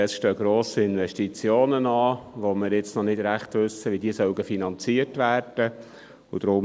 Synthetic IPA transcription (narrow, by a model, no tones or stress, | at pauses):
ɛsʃtøːɡ̥ɾoːsiɪnʋɛʃtit͡sjoːnənɑːʋomɪɾjɪt͡snɔnɪd̥ɾæχt̪ʋʏsːəʋidiːsœʊɡəfinɑnt͡siːətʋæːrd̥ə | ud̥̪ɾʊm